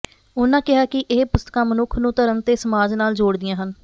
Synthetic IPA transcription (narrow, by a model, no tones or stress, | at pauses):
ʊnãːkɪɦaːkɪʔeːpʊst̪ə̥kãːmənʊkʰnũːt̪əɾənt̪eːsəmaːd͡ʒnaːld͡ʒoːɽd̪ɪjãːɦən